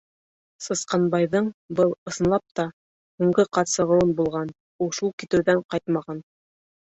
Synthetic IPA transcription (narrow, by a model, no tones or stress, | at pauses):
sɤ̆sqɑnbɑjðɤɴbɤlˠɤ̆sɤ̆nlˠɑp̚t̪ɑ | huɴɢɤqɑt̪sɤ̆ʁɤ̆wɤnbulˠʁɑn | ulˠʃulˠkit̪ɘ̆wðæɴqɑjt̪mɑʁɑn